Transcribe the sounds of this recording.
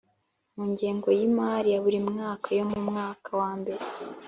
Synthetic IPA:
muːɲɟeːŋɡo̞jimaːɾijaβuɾimŋaːkajo̞mumŋaːkawaːmbe̞ɾe

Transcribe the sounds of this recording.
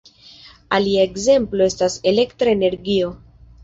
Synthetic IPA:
aliae̞kze̞mplo̞e̞stase̞le̞ktɾaene̞ɾɡio̞

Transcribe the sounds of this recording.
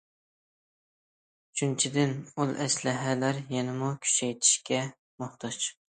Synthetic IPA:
t͡ʃʰynt͡ʃʰid̪ɪnulˠɛslɪɦælæɾjɛnɪmukʲʰy̥ʃɛjt̪ʰi̥ʃkʲɛ | moht̪ʰɑt͡ʃ

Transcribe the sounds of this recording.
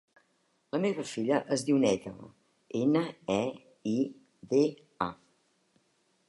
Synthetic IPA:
ləmeβəfiʎəʔəzðiwnɛt̪ə̰l | enəɛ | i | ðe | a

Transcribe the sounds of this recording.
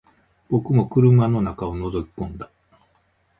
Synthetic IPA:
b̥o̞kɯ̟mo̞kɯ̟ɾɯ̟mano̞nakao̞no̞zo̞kʲi̥kõ̞nd̪a

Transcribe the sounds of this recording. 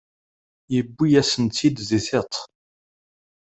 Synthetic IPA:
jəbːijæsənt͡s̪ːid̪ziθet̪ˤ

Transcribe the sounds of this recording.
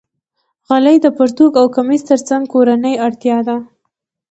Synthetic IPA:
ɣalajd̪əpʊɾt̪okawkamist̪əɾt͡saŋɡ̚koɾanəjaɽt̪jɑd̪a

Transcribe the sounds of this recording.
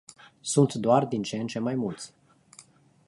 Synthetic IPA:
sunt̪d̪oard̪int͡ʃent͡ʃe̞majmult̪sʲ

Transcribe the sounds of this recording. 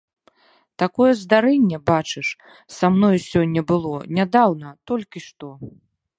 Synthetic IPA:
t̪akɔjɛzd̪aɾɛnʲːɛbat͡ʂɨʂ | samnɔjsʲɔnʲːɐbɨlˠɔnʲad̪awnɐt̪ɔlʲkʲiʂt̪ɔ

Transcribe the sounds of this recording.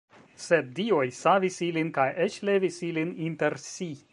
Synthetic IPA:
seb̚diojsavisilinkajʔet͡ʃle̞visilininte̞ɾsi

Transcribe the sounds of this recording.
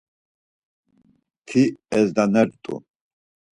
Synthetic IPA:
t̪ʰiɛzd̪anɛɾt̪ʼṵ

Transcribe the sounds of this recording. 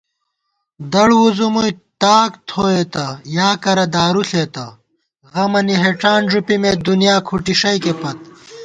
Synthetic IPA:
d̪ɐɽwuzumujt̪aːkt̪ʰoːet̪ɐjaːkɐɾɐd̪aːɾuɬeːt̪ɐ | ɣɐmɐniɦeʈaːnʐupimeːd̪unijaːkʰuʈiʂɐjkepɐt̪̚

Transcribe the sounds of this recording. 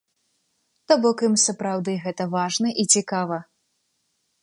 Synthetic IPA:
t̪abɔkimsɐpɾawd̪ɨɣɛt̪ɐvaʐnɐʔit͡sʲikavɐ

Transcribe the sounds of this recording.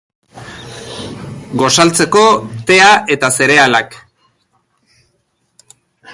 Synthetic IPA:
ɡo̞salt͡se̞ko̞t̪e̞ae̞t̪ase̞ɾe̞alak

